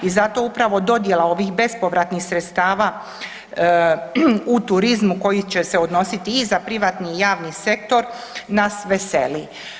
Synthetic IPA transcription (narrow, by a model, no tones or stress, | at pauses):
izat̪o̞upɾaʋo̞d̪o̞d̪je̞lao̞ʋixbe̞spo̞ʋɾat̪nixsɾet̪st̪aːʋa | ut̪uɾizmuko̞jit͡ɕese̞o̞d̪no̞sit̪iːzapɾiʋaːt̪niːjaːʋnise̞k̚t̪o̞ɾ | nasʋe̞se̞li